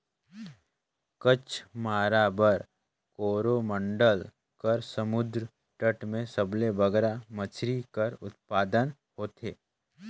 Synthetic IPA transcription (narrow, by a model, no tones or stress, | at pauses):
kət͡ʃʰmaːɾabəɾ | koːɾomə̃ɳɖəl | kəɾsəmʊd̪ɾ | ʈəʈmẽsəblebəɡɾamət͡ʃʰɾikəɾʊ̰t̪̚paːd̪ən | hoːt̪ʰeː